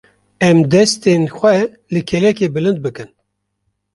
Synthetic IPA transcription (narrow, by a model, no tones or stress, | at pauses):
ɛmd̪ɛst̪enxʷɛ | lɨkʰɛlɛkeːbɨlɨnd̪̚bɨkɨn